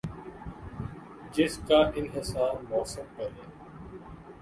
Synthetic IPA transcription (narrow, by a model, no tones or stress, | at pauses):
d͡ʒɪskaːʔɪnɦɪsaːɾmɔːsəmkəɾeː